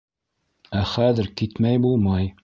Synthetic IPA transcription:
æχæðɘɾkit̪mæjbulˠmɑj

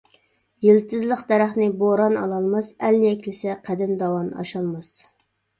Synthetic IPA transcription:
jilt̪ʰɨzlˠəqd̪ɛɾæχnɪboɾɑnɑlˠɑlˠmɑsælːɛkʲlɪsɛqʰæd̪ɪmd̪ɑwɑnɑ̰ʃɑlˠmɑs

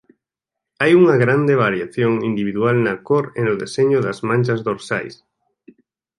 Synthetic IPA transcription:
ajuŋɐɣɾand̪eβaɾjaθjoŋind̪iβiðualnɐkoɾenʊðeseɲʊðazmãnʲt͡ʃɐzðoɾsa̰js

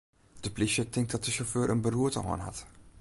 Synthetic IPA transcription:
d̥əpliʃətɪŋk̚dɑt̚dəʃoføːɾʔənbəruətə̰ɦɔ̰ːnɦɑ̰t

